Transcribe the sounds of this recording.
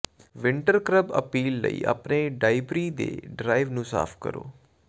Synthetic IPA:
ʋɪ̃ɳʈəɾkɾəbə̰piːlːə̰ḭːa̰pneːɖaːɪbɾiːd̪ḛːɖɾaːɪʋnũːsa̰ːfʰkə̰ɾo̰ː

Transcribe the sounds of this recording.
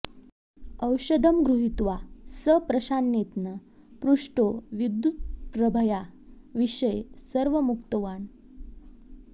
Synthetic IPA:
əwɕəd̪ʱəmɡɾuɦit̪ʋasəpɾəɕanjet̪nə | pɾuʂʈoʋid̪ːjut̪̚ppɾəbʱəja | ʋiɕəjsəɾʋəmukt̪əʋaɳ

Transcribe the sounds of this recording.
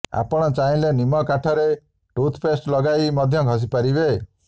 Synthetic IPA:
a̰pɔɽ̃ɔt͡ʃaĩlenimɔkaʈʰɔɾe | ʈut̪ʰpʰesʈlɔɡaimɔd̪ʱjɔɡʱɔs̬ipaɾibe

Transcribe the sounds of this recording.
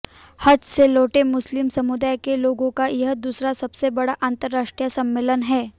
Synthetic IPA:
hɐd͡ʒseloːʈemʊslɪmsɐmʊd̪aːjkeloːɡõkajɐɦd̪uːsɾasɐbsebɐɽaʔãːnt̪əɾːaːʃʈɾijəsɐmːɪːlənɦɛː

